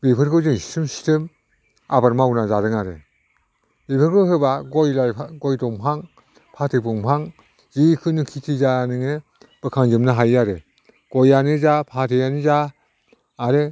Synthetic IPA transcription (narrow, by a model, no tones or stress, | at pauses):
bepʰɯɾɡɯzɯŋsi̥sɯmsi̥tʰɯm | abaɾmawnazaɾɯŋaɾɯ | bepʰɯɾɡɯɦɯbaɡɔjlajʰɡɔjdɔŋpʰaŋ | pʰatʰɯbɔŋpʰaŋ | zikʰɯnɯkʰitʰizanɯŋɯ | b̥ɯkʰaŋzɯmnɯɦajːaɾɯ | ɡ̥ɔjanɯzapʰatʰɯjanɯzaː | ɾe